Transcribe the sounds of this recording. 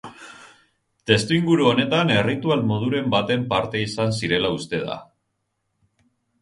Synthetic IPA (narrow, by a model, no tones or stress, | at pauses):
t̪e̞st̪uiŋɡuɾuo̞ne̞t̪ane̞rit̪ualmo̞ð̞uɾe̞mbat̪e̞mpaɾt̪e̞isans̬iɾe̞laust̪e̞ð̞a̰